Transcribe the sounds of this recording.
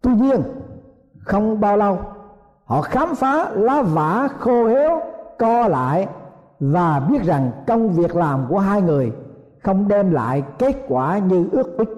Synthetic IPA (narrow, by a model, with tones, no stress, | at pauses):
t̪wi˧ɲi˧ən | xə˧wŋ͡mɓaː˧wlə˧w | hɔ̰˧˨xaː˨˦mfaː˨˦laː˨˦vaː˧˩˦xo˧he˨˦wkɔ˧la̰ː˧˨j | vaː˨˩ɓi˦˥ət̚za˨˩ŋt͡ɕə˧wŋ͡mvi˨˩ək̚laː˨˩mku˧˩əɦaː˧jŋɨ˨˩əj | xə˧wŋ͡mɗɛ˧mla̰ː˧˨jke˦˥t̚kwaː˧˩ɲɨ˧ʔɨ˦˥ək̚kwi˦˥k̟̚